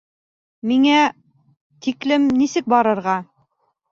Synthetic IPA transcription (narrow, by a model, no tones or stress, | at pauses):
miŋæ | t̪iklɘmnisɘk̚bɑɾɤ̆ɾʁɑ